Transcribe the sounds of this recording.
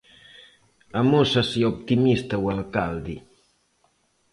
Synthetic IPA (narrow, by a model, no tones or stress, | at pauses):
amosasiop̚t̪imist̪awalkald̪i